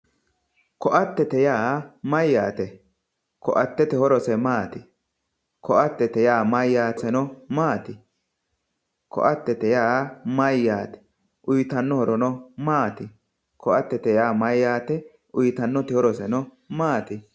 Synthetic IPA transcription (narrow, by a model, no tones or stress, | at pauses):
kɔʔɐt̪ːɛt̪ɛjaːmɐjːaːt̪ɛ | kɔʔɐt̪ːɛt̪ɛhɔɾɔsɛmaːt̪ɪ | kɔʔɐt̪ːɛt̪ɛjaːmɐjːaːtːɛnɔmaːt̪ɪ | kɔ̰ʔɐt̪ːɛt̪ɛjaːmɐjːaːt̪ɛ̥ | ʔʊjt̪ɐnːɔhɔɾɔnɔmaːt̪ɪ | kʰɔʔɐt̪ːɛt̪ɛjaːmɐjːaːt̪ɛ | ʔʊjt̪ɐnːɔt̪ɪhɔɾɔsɛnɔ | maːt̪ɪ